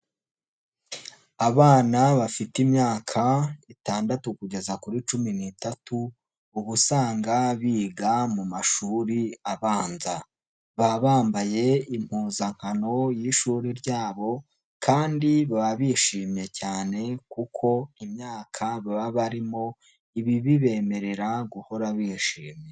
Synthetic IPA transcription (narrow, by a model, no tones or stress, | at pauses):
aβaːnaβafitimɲaːkʰaitaːndatukuɟe̞zakuɾit͡ʃuminitatuː | βusaːŋɡaβiːɡamumaʃuːɾiaβaːnza | βaβaːmbaje̞im̥huːzaŋ̥hano̞jiʃuːɾiɾɟaːβo̞ | kʰaːndiβaβaβiʃiːmɲe̞caːne̞kukʰo̞imɲaːkʰaβaβaβaɾimo̞ | iβiβiβe̞ːme̞ɾe̞ɾaɡuho̞ɾaβiʃiːmɲe